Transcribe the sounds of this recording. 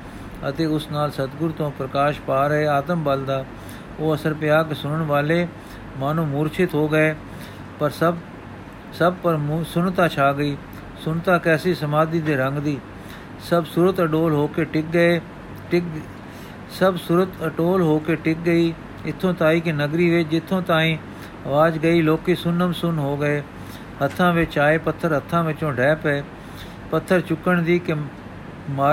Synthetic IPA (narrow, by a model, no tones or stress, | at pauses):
ə̰t̪eːʊsnaːlsət̪ɡʊɾt̪õːpɾəkaːʃpaːɾəɦeːaːt̪əmbəld̪aː | oːəsəɾpɪjaːkesʊnəɳʋaːleː | maːnũːmʊːɾt͡ʃʰɪt̪ɦoːɡəeː | pəɾsə | səb̚pəɾmsʊnt̪aːt͡ʃʰaːɡəiː | sʊɳt̪aːkɛːsiːsəmaːd̪iːd̪eːɾəŋɡd̪iː | səbsʊɾət̪əʈoːlɦoːkeːʈɪk̚ɡəeː | ʈɪk | səbsʊɾət̪əʈoːlɦoːkeːʈɪk̚ɡəiː | ɪt̪ʰːõːt̪aːiːkɪnəɡɾiːʋɪt͡ʃd͡ʒɪt̪ʰːõːt̪ãːɦĩː | əʋaːd͡ʒɡəiːloːkiːsʊnəmsʊnɦoːɡəeː | hət̪ʰːãːʋɪt͡ʃaːeːpət̪ʰːəɾɦət̪ʰːãːʋɪt͡ʃõːɖʱɛːpɛeː | pət̪ʰːəɾt͡ʃʊkːəɳd̪iːkɪ | maː